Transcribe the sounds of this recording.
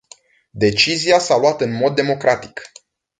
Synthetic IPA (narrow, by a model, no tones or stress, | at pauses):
d̪e̞t͡ʃiziasalwat̪ɨnmo̞d̪ːe̞mo̞kɾat̪i̥k